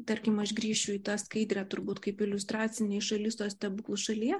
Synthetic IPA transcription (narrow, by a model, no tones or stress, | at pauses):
t̪ɐɾʲkʲɪmɐʃɡɾʲiːʃt͡ʃʲʊit̪ɑskɐɪd̪ʲɾʲæt̪ʊɾbuːt̪kɐɪpɪlʲʊst̪ɾɑːt̪t͡ssʲɪnʲeːʃɐlʲɪst̪oːst̪ʲɛbuklˠʊsʃɐlʲiɛ